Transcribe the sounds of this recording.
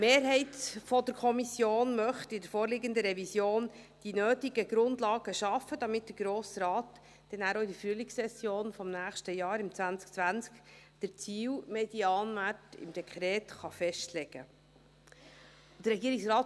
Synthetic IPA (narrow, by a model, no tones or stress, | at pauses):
meːɾɦɛɪtfɔd̪əɾkʰɔmisjoːnmœχtɪdəɾfoːɾlɪɡənd̪əɾɛvisjoːn | d̥inøːtiɡəɡ̥ɾʊndlɑːɡəʃɑfːəd̥̪ɑmɪt̚d̥əɾɡ̥ɾoːsrɑːt | d̥ɛnæːɾoɪdəfɾyəlɪksɛsjoːnfɔmnæːχʃtəjɑːɾɪmt͡svænt͡sk̚t͡sʋænt͡skd̥əɾt͡siːwmed̥iɑːnmætɪ̰md̥̪ɛkʰχɾɛːtχɑfɛʃtlɛɡ̥ə̰ | d̥̪əɾɛɡiːəɾɪksɾɑːt